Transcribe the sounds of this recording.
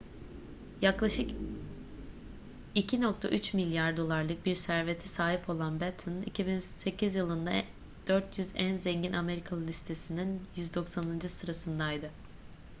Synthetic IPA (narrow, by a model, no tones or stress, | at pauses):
jaklˠaʃɯk | icʰinok̚t̪ʰa̰ʔyt͡ʃmilʲjaɾd̪o̞lˠaɾlˠɯk̚biɾsæɾve̞t̪ʰisaːɦipʰo̞lˠanbɛt̪ʰɯnḭcʰibinse̞cʰizjɯlˠɯnd̪a | d̪̥øɾt̪ʰjyzænzeɲɟinʔame̞ɾikʰalˠɯlʲist̪ʰe̞sininjyzd̪o̞ksanɯnd͡ʒɯsɯɾasɯnd̪ajd̪ɯ